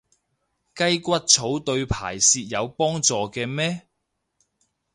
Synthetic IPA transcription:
kɐ˥jkʷɐ˥t̚t͡sʰo˨˥wt̪ɵ˧ɥpʰa̰ː˨˩jsiː˧t̚jɐ˨˧wpɔː˥ŋt͡sɔː˨kɛː˧mɛː˥

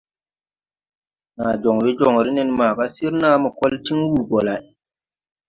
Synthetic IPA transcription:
naː˨d͡ʒɔ˨ŋwe˦d͡ʒo˨ŋ˨ɾi˦nɛ˨nmaː˨ba˦si˦ɾnaː˦mɔ˨kɔ˦lti˦ŋwu˨ɡɔ˨la˨

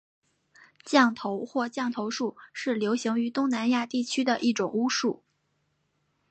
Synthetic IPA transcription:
t͡ɕjɑ˥˩ŋt̪ʰo˧˥ʊxwɔ˥˧t͡ɕjɑ˥˩ŋt̪ʰo˧˥ʊʂu˥˧ʂɻ̩˥˩ljo˧˥ʊɕi˧˥ŋy˧˥t̪ʊ˥ŋna˧˥nja˥˧t̪i˥˩t͡ɕʰy˥d̪ə˨ʔi˥˩ʈ͡ʂʊ˨˩ŋu˥ʂu˥˩

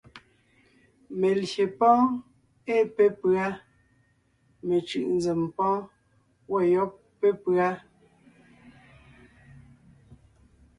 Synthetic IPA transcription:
me˨lje˨pɔ̃ː˦ | e˦˨pe˦pɰa˦ | me˨t͡ʃɯ̰˨ʔn˦zɛ˨mpɔ̃˦ | wɔ˦˨jɔ˦pːe˦pɰa˦

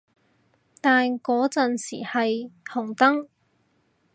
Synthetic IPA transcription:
t̪aː˨nkɔː˨˥t͡sɐ˨nsḭː˨˩hɐ˨jhʊ˨˩ŋt̪ɐ˥ŋ

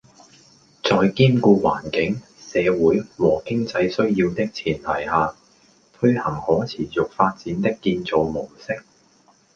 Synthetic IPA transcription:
t͡sɔː˨jkiː˥mkuː˧wa̰ː˨˩nkɪ˨˥ŋ | sɛː˨˧wuː˨˥jwɔː˨˩kɪ˥ŋt͡sɐ˧jsɵ˥ɥjiː˧wt̪ɪ˥k̚t͡sʰiː˨˩nt̪ʰɐ˨˩jhaː˨ | t̪ʰɵ˥ɥhɐ˨˩ŋhɔː˨˥t͡sʰiː˨˩t͡sʊ˨k̚faː˧t̚t͡siː˨˥nt̪ɪ˥kːiː˧nt͡so˨wmʊ˨˩wsɪ˥k̚

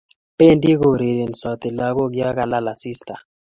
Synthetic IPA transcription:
pe˦ndi˦ɣo˨ɾe˨ɾe˨nsɔ˨t̪e˨la˦ɡo˦ɡja˦ka˨la˦la˨si˦sta˨

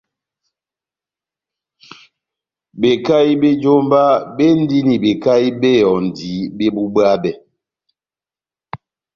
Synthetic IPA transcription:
be˨ka˦i˦be˦d͡ʒo˦mba˦be˦n̩˦di˦ni˨be˨ka˦i˦be˦jɔ˨n̩˨di˨˦be˦bu˦bə˦a˦bɛ˨

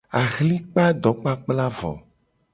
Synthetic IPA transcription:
a˨ɣli˦k͡pa˦d̪ɔ˨k͡pa˦k͡pla˦vɔ̰˨

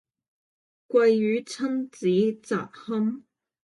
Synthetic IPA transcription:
kʷɐ˧jjyː˨˥t͡sʰɐ˥nt͡siː˨˥t͡sa̰ː˨k̚hɐ˥m

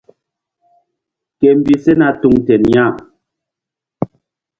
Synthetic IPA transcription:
kɛ˨m̩˨bi˦sɛ˦na˦tu˦ŋtɛ˨nɲa˦˨m

